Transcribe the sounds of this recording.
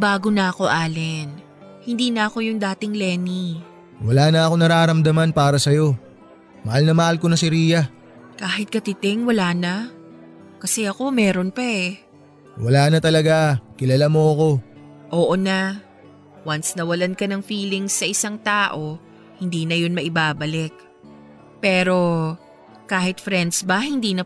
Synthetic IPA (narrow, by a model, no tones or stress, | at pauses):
baːɡonɐɐko̞ʔaːlɛn | hɪnd̪iːnɐɐko̞jʊŋd̪aːt̪ɪŋlɛːni | wɐlaːnɐʔɐko̞nɐɾaːɾɐmd̪ɐmanpaːɾɐsɐjo̞ | mɐhalnɐmɐhalkonɐsɪɾiːjɐ | kaːɦɪt̪̚kɐt̪ɪt̪ɛŋwɐlaːnɐ | kɐsɛʔɐko̞mɛːɾo̞npɐʔɛ | wɐlaːnɐt̪ɐlɐɡakɪlɐlamo̞ɐko̞ | ʔoːʔona | wɐnsnɐwɐlankɐnɐŋfiːlɪŋsːɐʔɪsaŋt̪aːʔo̞ | hɪnd̪iːnɐjonmɐʔɪbaːbɐlɪk̚ | pɛːɾo̞ | kaːhɪt̪̚fɾɛnd̪sbɐhɪnd̪iːnɐ